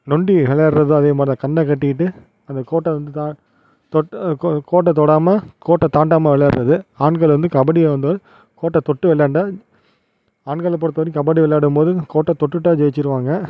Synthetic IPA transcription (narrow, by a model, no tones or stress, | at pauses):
nɔɳɖiʋɛɭɐɾɾɐðɯɐ̃ːɐðeːmaːɾɐkɐɳːɐkɐʈːɪjɪʈːɯ | ɐnd̪ɐkoːʈːɐʋɐnd̪ɯt̪aː | t̪ɔkoːʈ̬ːɐt̪ɔɽaːmɐkoːʈːɐt̪aːɳɖaːmɐʋɛɭɐɾɾɐðɯaːɳɡɐɭʋɐnd̪ɯkɐbɐɽɪjɐʋɐnd̪oːɾ | koːʈːɐt̪ɔʈːɯʋɛɭːɐːɳɖaː | aːɳɡɐɭp̬ːɔɽɯt̪ːɐɐɾkɐbɐɽiʋɛɭːaːɽɯmpoːðɯkoːʈːɐt̪ɔʈːɯʈːaːd͡ʒɛjt͡ʃːɪɾɯʋaːŋɡɐ